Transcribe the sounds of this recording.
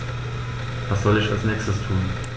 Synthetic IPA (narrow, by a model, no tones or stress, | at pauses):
vasz̥ɔlɪçalsnɛːkstəstʰuːn